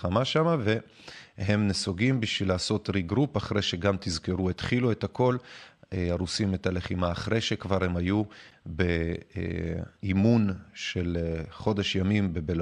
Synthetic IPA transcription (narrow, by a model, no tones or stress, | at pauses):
amaʃamave̞ | he̞mnesoɡimbiʃvilaːso̞tʁiɡʁupaχʁejʃeɡamt̪izkeʁuet̪χilue̞tako̞leaʁusimet̪ale̞χimaːχʁejʃe̞kvaʁhe̞majubḛ | imunʃe̞lχo̞de̞ʃjamimbebel